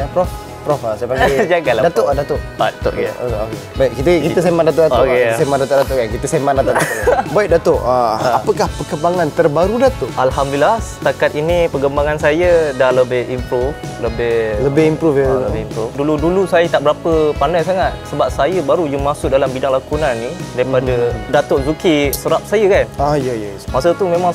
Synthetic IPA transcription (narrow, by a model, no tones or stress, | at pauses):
apɾɔf | pɾɔfasajəpaŋɡid͡ʒaɡaladat̪oʔadat̪oʔa̰t̪o̰ʔao̰okebaiʔ̚kit̪əkiəsemadat̪ʊʔdakesemandat̪oʔdat̪ʊʔkankit̪əsemandat̪ʊʔaabaik̚dat̪oʔaapəkahpəkəmbaŋant̪ərbaɾudat̪ʊʔʔalhamduilasə̥t̪akat̪̚inipəɡəmbaŋansajədahləbɪhimpɾuf | ləbɪhləbɪimpɾufjaəbɪhimpɾufduludulusajət̪aʔbəɾapəpandajs̬aŋat̪̚səbap̚sajəbaɾud͡ʒʊŋmasʊʔ̚dalambidaŋlakunanːidaɾipadədat̪oʔzukisəɾap̚sajəkanajajamasət̪umẽmaŋ